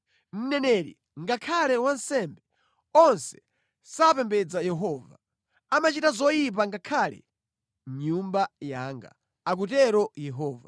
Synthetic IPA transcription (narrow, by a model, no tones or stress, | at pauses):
n̩nɛnɛɾḭ | ŋɡakʰalɛwansɛmbɛ | ɔnsɛ̥ | sapɛmbɛd͡zajɛɦɔːva̰ | amat͡ʃitazɔjip̬aŋɡakʰalɛ̰ | ɲumbajaŋɡa̰ | ak̬utɛɾɔjɛɦɔːva